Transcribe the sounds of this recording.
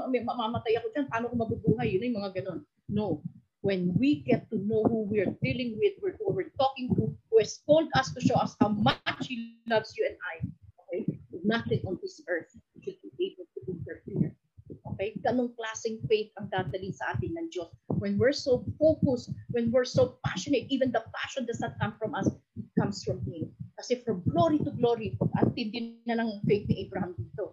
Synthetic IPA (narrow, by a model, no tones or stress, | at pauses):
mɛmɐmamɐt̪ajɐkod͡ʒanpɐaːnokomɐbubuːɦɐjːʊnojʊmɐŋaɡɐno̞nː | ow | wɛnwiɡɛt̪ːunowhuwɪɹd̪ilɪ̃ŋwɪð̚wɪɹhuwɪɹt̪okɪ̃ŋt̪uhuɛskold̪ɐst̪ʊʃowʔɐshawmɐat͡ʃhilɐvsjuɛ̃najʔokɛjɪnɐθɪ̃ŋʔɔ̃nd̪ɪsɛ˞θwʃʊd̪̚biʔejbɛlt̪uʔɪ̃nt̪ɛɹpiɹ | ʔoːkɛjɡɐʔnoŋklaːsɪŋfejθɐŋd̪aːd̪ɐliŋsɐʔaːt̪ɪŋnɐŋd͡ʒoswɛnwɪɹsowfokʊswɛnwɪɹsowpaʃɔnet̪̚ʔiːvɛ̃nd̪ɐpaʃɔnd̪ɐsnɐt̪̚kɐ̃mfɹɔ̃mʔɐshɪkɐ̃msfɹɔmhikɐsɛfɹɔmɡloɾit̪ʊɡloɹiʔɐnt̪ɪ̃nd̪ɪnnɐnɐŋfejθ̚nɪʔɛbɹɐhɐmd̪iːt̪o